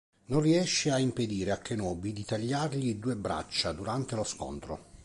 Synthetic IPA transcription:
nonriɛʃːeaimped̪iːɾeakːenɔːbid̪it̪aʎːarʎid̪uːebɾa̰t͡ʃːad̪uɾant̪elosko̰nt̪ɾo̰

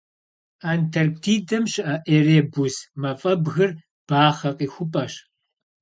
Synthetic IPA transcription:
aːntʰɐrktʰiːdɐmɕɪʔaʔeːreːbusmɐfʼɐbɣɨr | b̥aːχɐqʼiːxʷʊpʼɐɕ

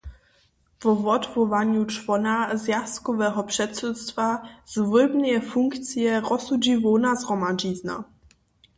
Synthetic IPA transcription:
vɔvɔt̪vɔvaɲut͡ʂvɔnazjast̪kɔvɛɦɔpʂɛt̪sut̪st̪vaz̥vɪbnɛɛfuŋkt̪sjɛʁɔsud͡ʑivɔnazʁɔmad͡ʒizna̰

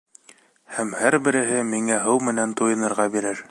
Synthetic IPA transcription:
hæmhæɾbɘ̆ɾɘ̆ɦɘmiŋæɦɤwmɘ̆nænt̪ujɤ̆nɤ̆ɾʁɑbiɾɘɾ

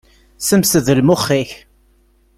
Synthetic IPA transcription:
səmsəðəlmʊχːiç

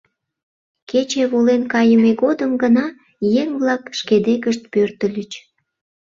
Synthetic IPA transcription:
ket͡ɕeβolenkɑjəmeɣod̪əmɡənɑ | jeŋβlɑkʃked̪ekəʃt̪̚pørt̪əlʲət͡ɕ

